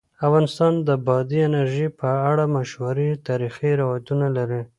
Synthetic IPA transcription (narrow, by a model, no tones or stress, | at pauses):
afɣɑnɪst̪ɑnd̪əbɑd̪iɪnaɾʒipəaɽamaʃwaɾit̪ɑɾixiɾawɑjat̪unalaɾi